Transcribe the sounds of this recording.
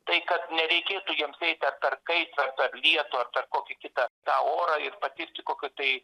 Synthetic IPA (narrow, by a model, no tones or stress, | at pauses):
t̪ɐɪkɐt̪nʲɛɾʲɛɪkʲeːt̪uːjiɛmsɛɪt̪ʲɐrpʲɛrkɐɪt̪ɐrpʲɛrlʲiɛt̪oɐrpʲɛrkoːkʲɪkʲɪt̪ɐt̪ɑːoːɾɐːɪrpɐt̪ʲɪɾʲt̪ʲɪkoːkʲʊt̪ɐɪ